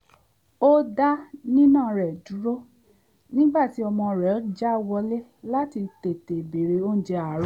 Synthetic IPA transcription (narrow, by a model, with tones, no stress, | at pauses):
o˦da˦nĩ˦nãː˦˨ɾɛ˨du˨˦ɾo˦ | nĩ˦ɡ͡ba˦˨ti˨˦ɔ˧mɔ̃˧˨ɾɛ˨˦d͡ʒa˦wɔ˧le˦la˦ti˧te˨te˨be˨ɾe˨o˦n̩˨d͡ʒɛ˧a˨ɾ